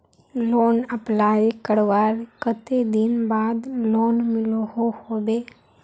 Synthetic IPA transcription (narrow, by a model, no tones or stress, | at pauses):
loːnəplaːekəɽʋaːɾkət̪ed̪ɪnbaːd̪loːnmɪloɦohoːbeː